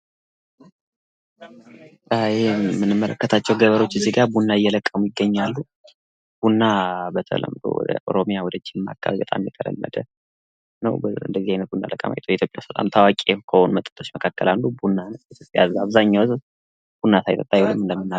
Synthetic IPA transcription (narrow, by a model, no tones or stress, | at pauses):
ʔəɨhemːɨnːɨmːələkːət̪ʰat͡ʃːɛwɡəβəɾo̞t͡ʃːɨziɡaɾbunːaɨjːɛləkʼːəmujɪɡːəɲːalːu | b̥unːabət̪ʰə̰lə̰md̪o̰wɔ̰d̪ə̰ʔo̞̰ɾomijawɔd̪ət͡ʃːɪnma̰kʰʼːa̰βbət̪ʼa̰mjɛt̪ʰələ̰mːə̰d̪ə | nəwbɨ̰nd̪əzihajnət̪̚bunːa̰ləkʼːə̰ma̰jt̪ʰwjɛit̪ʰjopʼːja̰wsət̪ʼa̰mt̪ʰawakʼekʰəhonumət̪ʼːə̥t̪ʰʼo̞t͡ʃːməkʰakːəlalːubunːant̪jopʼːjazaβzaɲːawz | b̥unːasʰajt̪ʰʼət̪ʼajulɨmɨnd̪əmːɨnːa